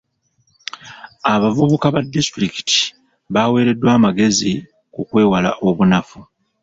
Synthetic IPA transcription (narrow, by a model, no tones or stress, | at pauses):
aβavuβukaβadːistɾiki̥ti̥ | βawe̞ːɾe̞dːwaːmaɡe̞zi | kukwe̞ːwala̰ʔo̞βunafu